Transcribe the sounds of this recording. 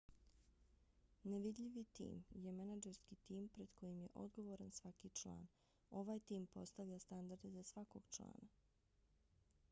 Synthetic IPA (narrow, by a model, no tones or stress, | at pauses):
neʋid̪ʎʲiʋit̪ḭːmje̞manad͡ʒeɾskit̪iːmpɾe̞d̪̥kʰo̞jimje̞ʔo̞̰d̪ɡo̞ʋo̞ɾansʋakit͡ʃlˠa̰ːn | o̞ʋaːjt̪iːmpo̞st̪aʋʎʲast̪and̪aɾd̪ezasʋako̞ɡ̥t͡ʃlˠa̰ːna